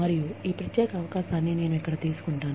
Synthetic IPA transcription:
ɐɾijuiːpɾɐt̪jɛːkɐɐʋɐkaːʃaːnːine̞ːnuɛkːɐɽɐt̪iːsu̥kuɳʈaːn

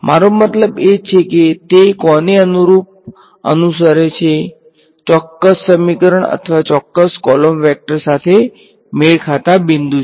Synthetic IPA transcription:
mʔaɾomət̪ləbet͡ʃʰeket̪ekɔneənuɾup̚ | ə̰nusəɾet͡ʃʰe | t͡ʃɔkːəsːəmikəɾəɳə̰t̪ʰəʋat͡ʃɔkːəskɔlomʋɛk̚ʈəɾsat̪ʰe | meɭkʰat̪abind̪u

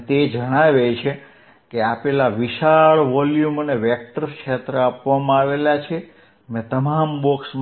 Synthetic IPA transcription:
t̪ed͡ʒəɽ̃aʋet͡ʃʰe | keapelaʋiʃaɭʋɔljuməneʋek̚ʈəɾkʃet̪ɾəapʋamãaʋelat͡ʃʰe | mɛ̃t̪əmambɔksm

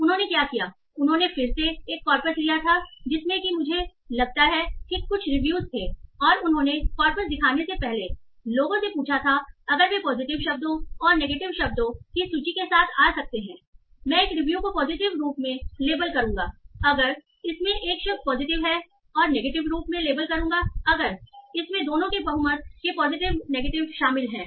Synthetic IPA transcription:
ʊnɦõːnekjaːkijaː | ʊnɦõːnefɪɾseːkːɔːɾpəslijat̪ʰad͡ʒɪsmẽkimʊd͡ʒʱelɐɡ̚t̪aɦɛʈʰɪkːʊt͡ʃʰɾɪʋjuːzt̪ʰeːɔːɾʊnɦõnekɔːɾpəs̬d̪ɪkʰaːnesepɛɦle | loːɡõsepuːt͡ʃʰat̪ʰaɐɡəɾmẽpɔːzɪʈɪʋʃɐb̚d̪õɔːɾneːɡeːʈɪʋʃɐb̚d̪õkisut͡ʃikesaːt̪ʰaːsɐk̚t̪eɦɛ̃ː | mɛ̃eːkɾɪʋjukopɔːzɪʈɪʋɾuːpmẽleːbəlkɐɾũːŋɡaːɐɡəɾ | ɪsmẽʔeːkʃɐpɔːzɪʈɪʋɦɛ | ɔːɾneːɡeːʈɪʋɾuːpmẽleːbəlkɐɾũːɡaɐɡəɾɪsmẽd̪oːnõkebɐɦumət̪̚kepɔːzɪʈɪʋneːɡeːʈɪʋʃaːmɪlɦɛ̃ː

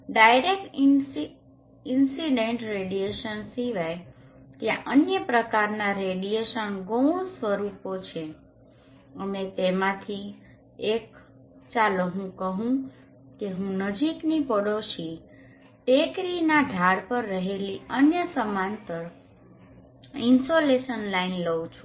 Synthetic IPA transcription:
ɖajɾek̚ʈ | ɪnsiɖeɳʈɾeɖijeʃənsiʋaj | t̪jãʔənjəpɾəkaɾnaɾeɖieʃənɡow̃sʋəɾupot͡ʃʰe | əmet̪emãt̪ʰi | ek | t͡ʃaləɦũkəɦũ | keɦũnəd͡ʒiknipəɽoʃi | tekɾinaɖʱaɽpəɾːəɦeliənjəsəmãnt̪əɾ | insoleʃənlainləʋũt͡ʃʰũ

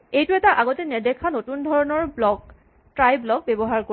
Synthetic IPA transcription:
ejtʊɛtaʔaɡotɛnɛdɛkʰːanotundʱɔɹɔnɔɹblɔk | tɹajblɔk̚bɛbɔɦaɹko

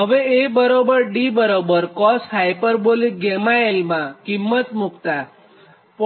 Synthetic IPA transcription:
ɦəʋeebəɾobəɾɖibəɾobəɾkɔsɦajpəɾbolik̚ɡɛmaelmãkimːət̪mukt̪a | p

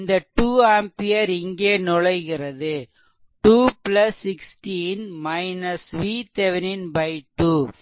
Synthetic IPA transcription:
nd̪ɐʈuːaːmpɪjɐɾɪŋɡeːnɔɻɐɪɣɪrɐðɯ | ʈuːplɐsːɪksʈinmɐɪnɐsʋiːt̪ɛʋɛnɪnbɐɪʈːuː

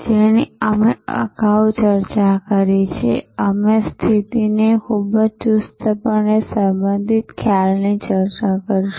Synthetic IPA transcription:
d͡ʒeniəmeə̰ɡawt͡ʃəɾt͡ʃakəɾit͡ʃʰḛəmest̪ʰit̪inekʰubəd͡ʒt͡ʃust̪əpəɳesəmbə̃nd̪ʱit̪kʰjalnit͡ʃəɾt͡ʃakəɾiʃu

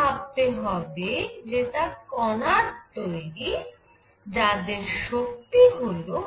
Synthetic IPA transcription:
ab̚t̪eɦɔbed͡ʑet̪akɔnaɾt̪oeɾi | d͡ʑad̪eɾʃok̚t̪iɦolo

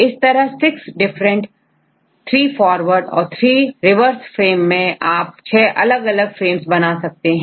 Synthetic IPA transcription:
ɪst̪ɐɾəɦsɪksɖɪfɾə̃ɳʈ | t̪ʰɾiːfɔːɾʋəɾɖɔ̰ːɾt̪ʰɾiːɾɪʋəɾsfɾeːmːẽʔaːp̚t͡ʃʰɛːʔɐləɡɐləɡfɾeːmsbɐnaːsɐk̚t̪eɦɛ̃ː

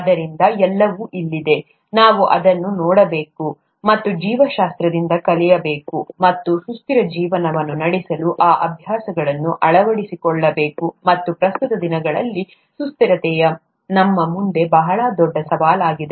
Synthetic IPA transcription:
ɐd̪ɐɾind̪ɐɛlːɐʋuʔilːid̪e̞ | naːʋuʔɐ̰d̪ɐnːunɔːɽɐbe̞ːku | mɐt̪ːud͡ʒiːʋɐʃaːst̪ɾɐd̪ind̪ɐkɐlɛjɐbe̞ːkumɐt̪ːusust̪iɾɐd͡ʒiːʋɐnɐʋɐnːunɐɽisɐluʔaːʔɐbʱjaːsɐɡɐɭɐnːuʔɐɭɐʋɐɽisikɔɭːɐbe̞ːkumɐt̪ːupɾɐst̪ut̪ɐd̪inɐɡɐɭɐ̰lːi | sust̪iɾɐt̪ɛjɐ | nɐmːɐmund̪e̞bɐɦɐɭɐd̪ɔɖːɐsɐʋaːlaːɡid̪e

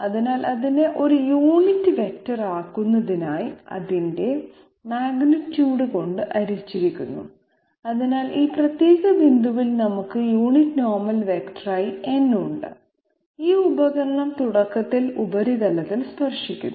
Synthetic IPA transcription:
ɐðinaːlʔɐðine̞ʔo̞ɾujuːɳitːɨʋe̞k̚tːɐraːkːunːɐðinaːjiɐ̰ðinde̞ | maːɡnɐtːjuːɽɨko̞ɳɖɨʔɐɾit͡ɕːiɾikʲːunːṵ | ɐðinaːliːprɐt̪jeːɣɐʋind̪uʋilnɐmukːɨjuːɳitːno̞ːrmɐlʋekʈrɐjie̞nːuɳɖɨ̰ | iːubɐɣɐɾɐɳɐmt̪uɽɐkːɐt̪ːilubɐɾid̪ɐlɐt̪ːilspɐrʂikʲːunː

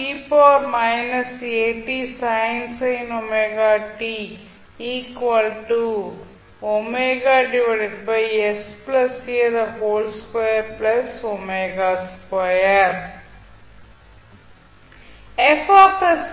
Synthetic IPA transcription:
iːpɔːɾmajnɐseːʈisajnsɐjnomeɡaːʈiː | iːkʋɐlʈu | omeɡaːɖiʋɐɖeɖ̚bɐjesplɐsied̪ɐɦoːlskaejɐɾplɐsomeɡaːspajɐɾ | efaːpɐs

